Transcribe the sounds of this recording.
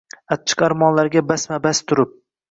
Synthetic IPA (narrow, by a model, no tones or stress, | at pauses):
at͡ʃʰːɪ̥qaɾmɒnlaɾɡʲabasmabast̪ʰʊɾɪp̚